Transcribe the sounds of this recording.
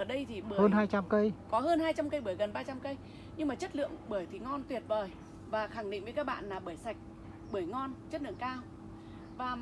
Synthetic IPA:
əː˧˩ɗə˧jt̪ʰi˨˩ɓɨ˧˩həː˧nhaː˧jt͡ɕa˧mkə˧jkɔ˨˦ɦəː˧nhaː˧jt͡ɕa˧mkə˧jɓɨ˧˩əjɣə˨˩nɓaː˧t͡ɕa˧mkə˧j | ɲɨ˧ŋmaː˨˩t͡ɕə˦˥t̚lɨ̰˧˨əŋɓɨ˧˩jt̪ʰi˨˩ŋɔ˧nt̪wi˨˩ət̚vəː˨˩j | vaː˨˩xa˧˩ŋɗḭ˧˨ŋvə˨˦jkaː˦˥k̚ɓa̰ː˧˨nlaː˨˩ɓəː˧˩jsa˨˩jk̟̚ | ɓɨ˧˩əjŋɔ˧nt͡ɕə˦˥t̚lɨ̰˧˨əŋkaː˧w | vaː˨˩

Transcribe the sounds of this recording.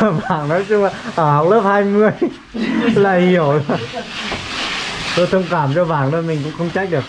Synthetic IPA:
vaː˧˩ŋnɔ˨˦jt͡ɕʊ˧ŋ͡maː˨˩ʔəː˧˩hɔ˨˩wk͡p̚ləː˦˥p̚haː˧jmɨ˧əj | laː˨˩hi˧˩˨əw | t̪o˧jt̪ʰə˧ŋ͡mkaː˧˩mt͡ɕɔ˧va̰ː˧˩˨ŋnɨ̰˧˦əmï˨˩ŋ̟kʊ̰˧˥ŋ͡mxə˧wŋ͡mt͡ɕa˦˥k̚ɗɨ˨˩ək̚

